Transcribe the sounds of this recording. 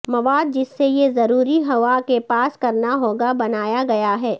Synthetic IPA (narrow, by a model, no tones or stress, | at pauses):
mɐʋaːd̪̚d͡ʒɪsːejezɐɾuːɾiɦɐʋakepaːskɐɾnaɦoːɡabɐnaːjaɡɐjaɦɛː